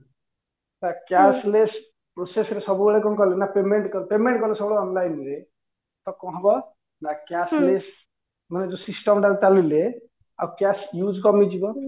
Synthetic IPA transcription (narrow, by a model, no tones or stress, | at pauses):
takjasles | pɾosesɾesɔbubeɭekɔnkɔlenapemeɳʈkɔɾpemẽɳʈkɔɾlesɔbuɽɔnlajnle | t̪ɔkɔ̃ɦɔbɔ | nakjasles | maned͡ʒɔsisʈɔmʈaɾtalile | a̰wkjasjud͡ʒkɔmid͡ʒibɔ